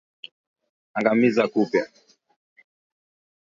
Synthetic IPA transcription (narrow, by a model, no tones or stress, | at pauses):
aŋɡamizakupja